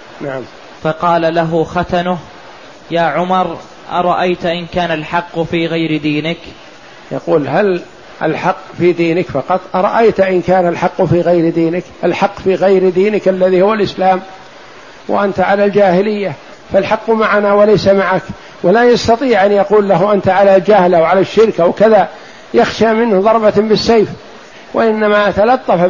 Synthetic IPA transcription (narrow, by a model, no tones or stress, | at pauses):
naʕam | fɑqɑːlalaɦʊxat̪anʊh | jaːʕʊmɑɾˤ | ʔɑ̰ɾˤɑʔajt̪ʔɪnkaːnalħɑqːfiːɣajɾd̪iːnɪk | jɑquːlɦal | ʔa̰lħɑqːfiːd̪iːnɪkfɑqɑt̪ˤʔɑɾˤɑ̰ʔajt̪ʔɪnkaːnalħɑqːfiːɣajɾd̪iːnɪkʔalħɑqːfiːɣajɾd̪iːnɪkʔalːaðiːhʊwalʔɪslaːm | wa̰ʔant̪aʕalald͡ʒaːhɪlɪjːa | falħɑqːmaʕanawalajsamaʕak | walaːjɑst̪ɑt̪ˤiːʕʔanjɑquːlːaɦʔant̪aʕalald͡ʒahlawʕalaʃːɪɾkawkaða | jaxʃamɪnhðˤɑɾˤbɑbɪsːajf | wʔa̰ʔɪnːamat̪alɑt̪ˤːɑf